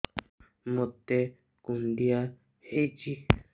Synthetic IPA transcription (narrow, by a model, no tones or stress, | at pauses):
mõt̪e | kund̪ia | hed͡ʒi